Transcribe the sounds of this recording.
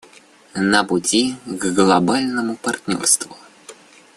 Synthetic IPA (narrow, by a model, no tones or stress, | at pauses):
nəpʊtʲiɡɡlˠɐbalʲnəmʊpɐrt̪ʲnʲo̰rst̪vʊ